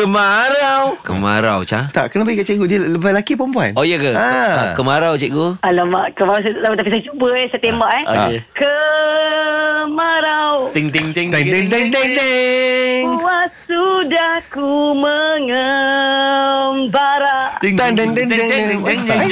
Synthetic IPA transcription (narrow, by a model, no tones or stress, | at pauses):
əmaɾawkə̰ma̰ɾa̰wt͡ʃat̪a̰ʔkənapaɡikaʔt͡ʃɛɡudiəbalakipompua̰nojəkəakəmaɾawt͡ʃɛʔɡoalamaʔkəmaɾaws̬aaut̪apisajt͡ʃubəɛsajt̪embaʔɛa̰kə | maɾawt̪iŋt̪iŋt̪ŋŋt̪ɛt̪ɛŋt̪ɛŋd̪e | ŋwasudahkuməŋə | mbaɾaʔt̪andaŋd̪andaŋŋ